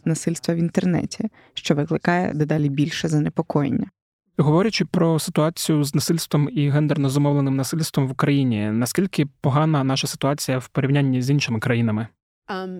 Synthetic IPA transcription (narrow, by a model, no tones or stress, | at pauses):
nɐsɪlʲst̪ʋɐʋʲint̪ernɛ̰tʲʰi | ʃt͡ʃɔʋɪklˠɪkɑjɛ̰d̪ed̪ɑlʲibʲilʲʃɛzɐnepɔkɔjḛnʲːɐ | ɦɔʋɔɾʲjɐt͡ʃɪpɾɔsɪt̪ʊɑt͡sʲijʊznɐsɪlʲst̪ʋɔmiɦɛnd̪ernɔzɐmɔwlˠenɪmnɐsɪlʲst̪ʋɔmʋʊkɾɐjinʲinɐsʲkʲilʲkɪpɔɦɑnɐnɑʃɐsɪ̥t̪ʊɑt͡sʲijɐwpɔɾʲiwnʲanʲːizʲinʃɪmɪkɾɐjin̪ɐmɪ